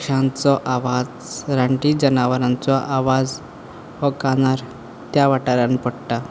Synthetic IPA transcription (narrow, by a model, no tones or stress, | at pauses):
ʂãnt͡sɔʔaʋad͡z | ɾaɳʈid͡ʑənaʋəɾãnt͡sɔʔaʋad͡z | ʋəkanaɾ | t̪jaʋaʈaɾjanpəɽʈa